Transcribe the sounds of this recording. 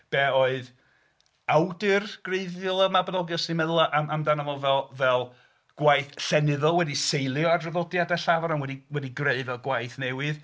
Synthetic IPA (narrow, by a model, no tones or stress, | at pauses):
b̥ɛoɨð | awdɨrɡ̥reɨðjɔlˠamabanɔɡɔsinmɛðlˠaʔaamdanavɔvɛlˠvɛlˠ | ɡ̥wajθɬɛnɨðɔlˠwɛdisejlˠjɔadrəðɔdjadɛɬavaɾamwɛdiwɛdiɡreɨvɛlˠɡwajθnɛwɨð